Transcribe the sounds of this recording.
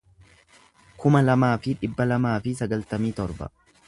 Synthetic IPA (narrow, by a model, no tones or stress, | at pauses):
kʊmɐlɐmaːfɪᶑɪbːɐlɐmaːfɪs̬ɐɡɐlt̪ɐmiːt̪ɔɾbɐ̰